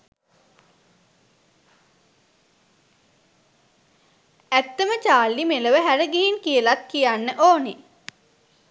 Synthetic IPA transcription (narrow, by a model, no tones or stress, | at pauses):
æt̪ːəmət͡ʃaːlːimeləʋəɦæɾəɡeɦinkijəlat̪̚kijanːəʔoːne